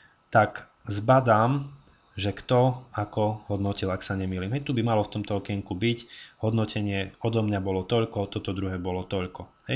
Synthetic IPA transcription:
t̪ak | zbad̪aːm | ʒɛkt̪ɔakɔɦɔd̪nɔcilaksaɲɛmiːliːmɦɛjt̪ubimalɔft̪ɔmt̪ɔɔkɛiŋkubicɦɔd̪nɔcɛɲɪɛɔd̪ɔmɲabɔlɔt̪ɔʎkɔt̪ɔt̪ɔd̪ɾuɦɛːbɔlɔt̪ɔʎkɔɦɛj

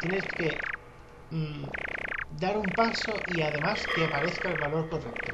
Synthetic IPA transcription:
t̪jeneske̞ | d̪aɾumpaso̞ʔiað̞e̞mast̪eapaɾe̞θkaelβalo̞ɾko̞rek̚t̪o

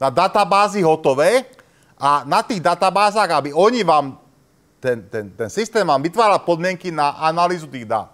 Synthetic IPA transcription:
nad̪at̪abaːziɦɔt̪ɔʋɛː | ʔanat̪iːɣd̪at̪abaːzaːɣabiɔɲiʋaːm | t̪ɛnt̪ɛnt̪ɛnsist̪ɛːmʋaːmʋit̪ʋaːɾalpɔd̪mɪɛŋkinaʔanaliːzut̪iːɣd̪a̰ːt̪

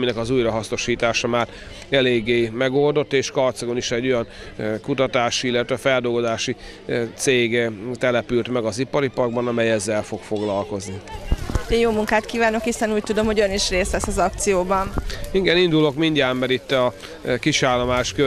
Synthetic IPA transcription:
minɛkɒzuːjrɒɦɒsno̞ʃiːt̪aːʃɒmaːɾ | ɛleːɡːeːmɛɡo̞ld̪o̞t̪ːeːʃkɒrt̪sɒɡo̞niʃɛɟːo̞jɒn | kut̪ɒt̪aːʃiilːɛt̪ʋɛfɛld̪o̞lɡo̞zaːʃi | t̪seːɡt̪ɛlɛpylt̪mɛɡɒzipɒɾipɒrɡ̚bɒnɒmɛjɛzːɛlfo̞kfo̞ɡlɒlko̞zni | ejoːmuŋkaːt̪kiːvaːno̞khisɛnuːc̚t̪ud̪o̞mho̞ɟøniʃreːslɛsɒzɒkt̪sijoːbɒniɡɛnind̪ulo̞kmiɲɟaːmːɛɾit̪ːɒ | kiʃaːlːomaːʃkø

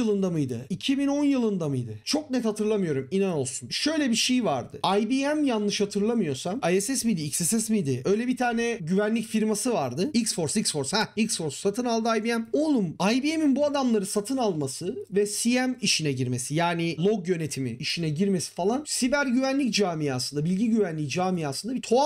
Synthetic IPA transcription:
ɯlˠɯnd̪amɯjd̪ɯ̰icʰibino̞njɯlˠɯnd̪amɯjd̪ɯt͡ʃʰo̞k̚nɛt̪hat̪ʰɯɾlˠamɯjo̞ɾuminano̞lˠsunʃø̞jlʲɛbiʃejvaɾd̪ɯ̰ajbiæmjanːɯʃhat̪ʰɯɾlˠamɯjo̞samajesɛsmid̪iicsɛsɛsmid̪ɪø̞jlʲɛbit̪ʰaːnɛɟyvænlʲicfiɾmasɯvaɾd̪ɯicsfo̞ɾsic̪fo̞ɾshæicsfo̞ɾssat̪ʰɯnalˠd̪ɯajbijɛmolˠumajbieminbuad̪amlˠaɾɯnsat̪ʰɯnalˠmasɯvɛsijɛmiʃinɛɟiɾme̞sijaːnilˠo̞ɡjø̞ne̞t̪ʰimiiʃinɛɟiɾme̞si̥falˠansibæɾɟyvænlʲicd͡ʒaːmijasɯnd̪abilʲɟiɟyvænlʲicd͡ʒaːmijasɯnd̪abit̪ʰo̞

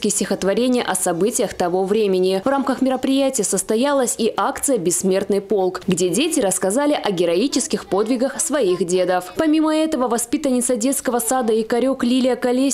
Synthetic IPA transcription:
kʲɪsʲtʲɪxət̪vɐɾʲenʲɪjə̰ʔɐsɐbɨtʲɪjəxt̪ɐvo̞vɾʲemʲɪnʲɪvramkəxmʲɪɾəpɾʲɪjætʲɪjəsəst̪ɐjalˠəsʲiʔakt̪sɨjəbʲɪsːmʲe̞rt̪nɨjpo̞lˠkɡdʲedʲetʲɪɾəskɐzalʲɪʔɐɡʲɪɾɐit͡ɕɪskʲɪxpo̞d̪vʲɪɡəxsvɐixdʲed̪əfpɐmʲiməɛt̪əvəvɐspʲit̪ənʲɪt̪sədʲe̞t̪skəvəsad̪əikɐɾʲo̞klʲilʲɪjəkɐlʲe

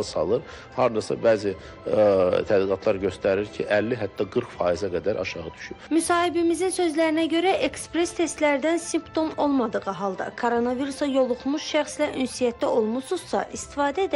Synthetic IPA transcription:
ɯsɑ̰lˠɯɾ | hɑɾd̪ɑsɑ̰bæːzi | t̪ʰæd̪liɡɑt̪ʰlˠɑɾɟø̞st̪æɾiɾcʰiʔælːiɦæt̪ːɑɡɯɾkfɑːizæɡæd̪æɾʔɑ̰ʃɑʁɯd̪y̥ʃypmysɑːhibimizinsø̞zlæɾinæɟø̞ɾæʔekspɾe̞st̪ʰe̞st̪læɾd̪ænsimpt̪ʰo̞mo̞lˠmɑd̪ɯʁɯɦɑlˠd̪ɑ̰kʰoɾo̞nɑviɾusɑjo̞lˠuχmuʃʃæχslæʔynsijæt̪ːæʔo̞lˠmusuz̥sɑ̰ʔist̪ifɑːd̪æed̪

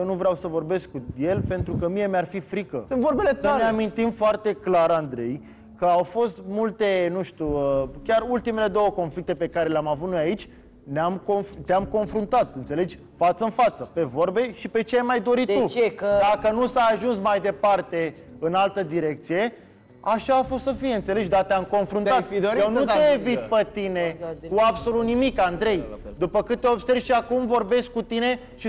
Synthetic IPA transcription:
jewnuvɾeawsəvo̞rbe̞skkuje̞lpe̞nt̪ɾukəmije̞mearfifɾikəɨnvoɾbelesəneamint̪imfoart̪e̞klaɾand̪ɾe̞j | kəawfo̞st̪mult̪e̞nuʃt̪uəkʲarult̪ime̞le̞d̪o̞wəko̞nflik̚t̪epe̞kaɾe̞leamavut̪nojait͡ʃʲ | neamkonft̪eamko̞nfɾunt̪at̪ɨnt̪sele̞d͡ʒʲ | fat̪səɨnfat̪səpe̞vo̞rbe̞ʃipe̞t͡ʃeajmajd̪o̞ɾit̪t̪ud̪akənusaaʒunsmajd̪e̞part̪e̞ | ɨnalt̪əd̪iɾe̞k̚t̪sije̞ | aʃaːfo̞st̪səfijeɨnt̪sele̞ʃd̪at̪eamko̞nfɾunat̪jewnut̪eevit̪̚pet̪inekuabso̞lut̪nimikand̪ɾe̞jd̪upəkɨt̪t̪ːeo̞bse̞rvʲʃiakumvo̞rbe̞sk̚kut̪ine̞ | ʃi

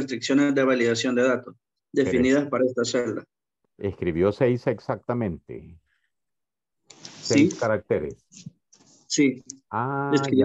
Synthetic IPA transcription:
est̪ɾiksjo̞nezd̪eβaliðasjo̞nd̪e̞ðat̪os | d̪e̞finiðaspaɾaest̪aseld̪a | eskɾiβjo̞sejseksak̚t̪amẽnt̪ḛ | sejskaɾak̚t̪eɾes | siaesk

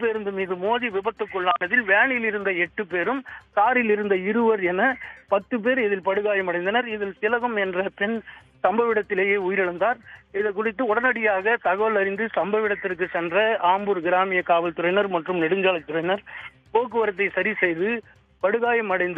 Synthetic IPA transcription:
pːeːɾɯnd̪ɯmiːðɯmoːðiʋɪbɐt̪ːɯkːɔɭːaːnɐðɪlʋeːɳɪɪlɪɾɯnd̪ɐɛʈːɯpːeːɾɯmsaːɾɪlɪɾɯnd̪ɐɪɾɯʋɐɾɛnːɐpɐt̪ːɯp̬eːɾɪðɪlpɐɽɯɣaːjɐmɐɽɐɪnd̪ɐnɐɾɪðɪlsɪlɐɣɐmɛndrɐpɛn | sɐmbɐʋɪɽɐt̪ːɪleːjeːujɪɾɐɭɐnd̪aːɾɪðɐk̬ːʊɽɪt̪ːɯɔɽɐnɐɽɪjaːɣɐt̪ɐɣɐʋɐlɐɾɪnd̪ɯsɐmbɐʋɪɽɐt̪ːɪrk̬ːɯsɛndrɐaːmbuɾɡɪɾaːmɪjɐkaːʋɐlt̪ʊɾɐɪnɐɾmɐʈrɯmnɛɽɯɲd͡ʒaːlɐt̪ːʊrɐɪnɐɾ | poːkːɯʋɐɾɐt̪̬ːɐɪsɐɾisɛjðɯ | pɐɽɯɣaːjɐmɐɽɐɪnd̪ɯ

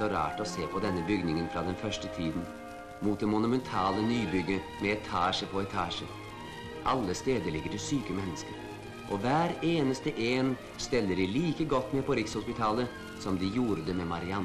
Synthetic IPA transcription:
ɔɾɑ̰ːʈɔseːpʰɔd̪ɛnːəbʏɡnɪŋənfɾɑd̪ɛnfœʂʈət̪ʰiːd̪n | muːt̪̚d̪ɛmʊnʊmɛnt̪ʰɑːlənyːbʏɡə | mɛɛt̪ʰɑːʂəpʰɔɛt̪ʰɑːʂə | ʔɑlːəst̪eːd̪əɾɭɪɡːəɾɪsyːkəmɛnːəskəɾ | ʔɔʋæːɾeːnəst̪əʔeːn | st̪ɛlːəɖɪliːkəɡɔt̪ːmɛpʰɔɾɪkshʊspɪt̪ʰɑːlə | sɔmd̪ɪjuːɾəd̪əmɛmɑɾɪɑn

